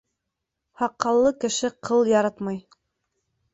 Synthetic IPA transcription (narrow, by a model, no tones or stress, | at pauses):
hɑqːɑlˠːɤkɘ̆ʃɘqʰɤlˠjɑɾɑt̪mɑj